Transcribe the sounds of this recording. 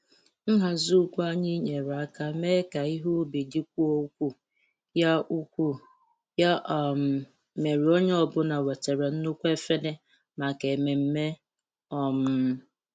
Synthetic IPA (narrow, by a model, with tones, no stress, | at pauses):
n̩˦ɦa˨zu˦kʷu˦a˦ɲi˦ɲe˨ɾka˦me˦ka˨i˦ɦu˦bi˨di˦kʷu˦o˦kʷu˦ | ja˦u˦kʷu˦ | ja˦˨m˨ | me˨ɾi˨o˦ɲe˦ɔ˦bʊ˦na˨we˨te˨ɾe˨n̩˦nʊ˦kʷe˦fe˦ne˦ | ma˨ke˨me˨m̩˦me˦ | ɔ˨m̩˦